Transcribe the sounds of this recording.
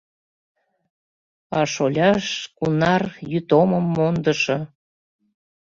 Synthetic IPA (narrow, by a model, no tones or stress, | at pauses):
ɑʃolʲɑʃkunɑrjyt̪oməmːond̪əʃɤ̆